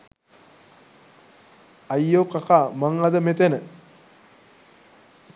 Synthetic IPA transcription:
ajːokakamaŋad̪əmet̪enə

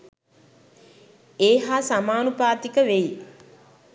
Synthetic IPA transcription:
eːɦaːsamaːnupaːt̪ikəʋeji

